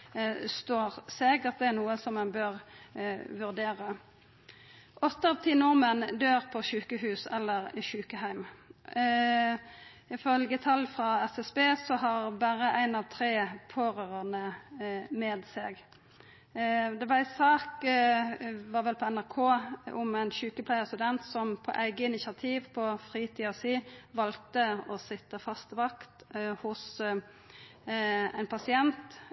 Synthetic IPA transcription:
st̪oːʁsɛɡət̪̚d̪ɛæʁnuːəsɔmːɛnbøːʁ | ʋʉʁd̪eːʁə | ʔɔt̪ːəʋt̪ʰɪnʊʁmənd̪øːʁpʰɔʃʉːkəhʉːsɛlːəʁʃʉːkəɦæɪm | ɪfœlɡət̪ʰɑlːfʁɑɛsɛsbeːsɔɦɑɾbæːɾəʔæɪnɑʋt̪ʰɾeːpʰoːɾøːɾəʁnə | mɛːd̪sɛ̰ɡ | d̪ɛʋɑʁæɪsɑːk | ʋɑːɾʋɛlpʰɔɛnæʁkʰoːʔʊmæɪnʃʉːkəpʰlæɪəst̪ʉd̪ɛnt̪sɔmpʰɔ̰ʔæɪɡəɪnɪsɪɑt̪ʰiːʋpʰɔfʁiːt̪ʰiːɑsiːʋɑlt̪əɔsɪt̪ːəfɑst̪ʋɑkt̪hʊs | æ̰ɪnpʰɑsɪɛnt̪

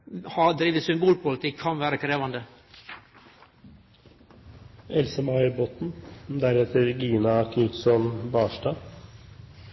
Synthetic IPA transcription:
hɑd̪ɾiːʋəsʏmbuːlpʊlət̪ʰɪkʰːɑnʋæːɾəkʰɾeːʋɑnd̪ə | ɛlsəmɑɪəɾbɔt̪n̩d̪æɾɛt̪əɾɡiːnɑkʰnʏt̪sɔnbɑːʃdɑː

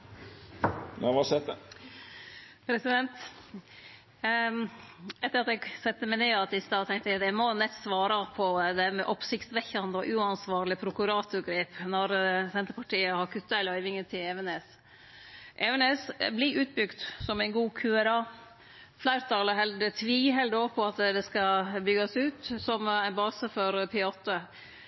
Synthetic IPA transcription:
næʋɑsɛt̪ə | pʰɾɛsɪd̪ɛnt̪ | ɛt̪ːəɾɑt̪ɛɡsɛt̪ːəmæɪneːɑt̪ɪst̪ɑɔt̪ʰɛŋt̪ət̪ɛmɔnɛt̪ːsʋɑːɾɑpʰɔd̪ɛmɛʔɔpsɪkt̪sʋɛçːɑnd̪əɔ̰ʔʉɑnsʋɑːɾlɪpʰɾʊkʉɾɑːt̪ʊɾɡɾeːpnɔɾsɛnt̪ɾpʰɑʈiːəhɑɾkʰʉt̪ːɑæɪlœʏʋɪŋət̪ʰɪlɛʋəneːs | ʔɛʋɛneːsbliʔʉːt̪̚bʏɡt̪sɔmæɪnɡuːkʰʉɛɾɑː | flæɪɾt̪ʰɑləɦɛld̪ət̪ʰʋiːɦɛld̪oːpʰɔɑt̪d̪ɛskɑbʏɡɑsʉːt̪sɔmæɪnbɑːsəfɔɾpʰɪɑːt̪ːə

